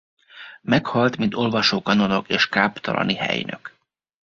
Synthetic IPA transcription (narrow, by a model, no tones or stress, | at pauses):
mɛkhɒlt̪mint̪o̞lvɒʃoːkɒno̞nokeːʃkaːpt̪ɒlɒ̰nihɛ̰jnø̰k